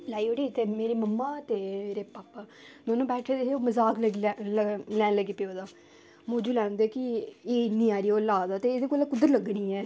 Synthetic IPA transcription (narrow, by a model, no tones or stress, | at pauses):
laːioɽiːt̪eːmeːɾeːməmːaːt̪eːmeːɾeːpaːpaːnoːnõːbɛːʈʰed̪eeoːməzaːklə | lɛːnləɡiːpeoːd̪aː | moːd͡ʒuːlɛːnd̪eːkɪeːɪnːĩːaːɾiːoːlaːd̪aːt̪eːd̪eːkoːlaːkʊd̪ːəɾləɡnĩːɛː